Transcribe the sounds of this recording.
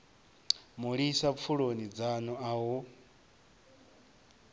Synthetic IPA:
muɺisap̪fʰuɺonid͡zanɔaɦu

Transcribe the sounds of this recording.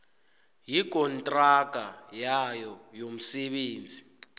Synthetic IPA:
jik̬ʼɔntʼraɡ̥ʼʱajajɔjom̩seɓeːnd͡zʱi

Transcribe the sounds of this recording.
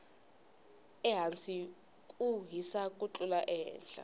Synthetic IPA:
ɛɦant͡sʼi | kʼuɦisakʼut͡ɬʼulaʔɛːnɬʼa̰

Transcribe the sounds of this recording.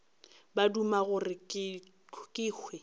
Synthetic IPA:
badumaɣʊrɪkː | kʼɪːkʰwɛ

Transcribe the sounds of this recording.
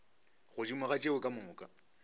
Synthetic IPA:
ɣʊt͡ʃʼimʊɣat͡ʃʼewʊkʼamʊːkʼa

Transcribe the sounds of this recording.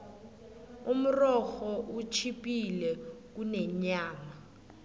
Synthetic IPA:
um̩rɔxɔʔut͡ʃʰipʼilɛk̬unɛɲaːma

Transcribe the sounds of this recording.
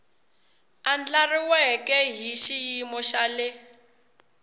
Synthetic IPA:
and͡ɮariwɛkʼɛɦiʃijimɔʃalɪ

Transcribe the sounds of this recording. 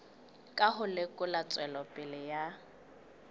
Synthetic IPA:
kʼaɦʊlɪkʼʊlat͡sʼwɛlɔpʼɪlɪja

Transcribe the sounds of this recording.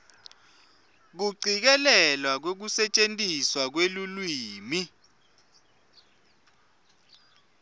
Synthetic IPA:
k̬uǀʱik̬ɛlɛlwak̬wok̬usɛt͡ʃʼentʼiswak̬welulwiːmi

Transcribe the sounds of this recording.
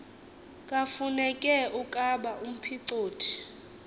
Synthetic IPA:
kʼafunɛkʼɛʔukʼaɓaʔum̩pʰiǀoːtʰi̥

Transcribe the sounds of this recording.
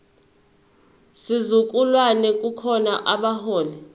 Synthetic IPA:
sizuk̬ʼulwanɛk̬ʼukʰɔnaʔaɓahɔːlɛ

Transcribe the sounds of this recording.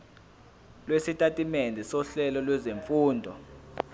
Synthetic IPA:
lwesitʼatʼimɛndʱɛsɔɬɛlɔlwɛzeɱfuːndʱɔ̰

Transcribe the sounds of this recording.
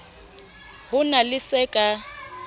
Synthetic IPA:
hʊnalɪsɛkʼa

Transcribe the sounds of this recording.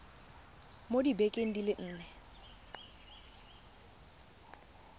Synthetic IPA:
modibekʼeŋ̩dilɪʔn̩ːnɛ

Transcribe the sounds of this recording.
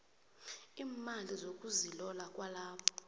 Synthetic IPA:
iːmalizokʼuzilɔlakʼwalaːpʰɔ̥

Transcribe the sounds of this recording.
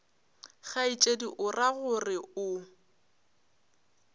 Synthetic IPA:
ɣait͡ʃʼediʔʊraɣʊrɪʊ

